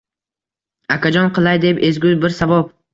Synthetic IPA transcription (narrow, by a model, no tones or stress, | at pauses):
akʲʰad͡ʒɒnqʰɨlˠajd̪e̞pe̞zɡʲʊzbɪɾsabɒp̚